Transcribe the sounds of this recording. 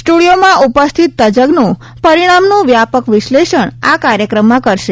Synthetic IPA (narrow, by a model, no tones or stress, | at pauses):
sʈuɽijomãʔupəst̪ʰit̪ːəd͡ʒəɡnũ | pəɾiɽ̃amnũʋjapəkʋɪʃleʃəɳ̃akaɾjəkɾəmːãkəɾʃe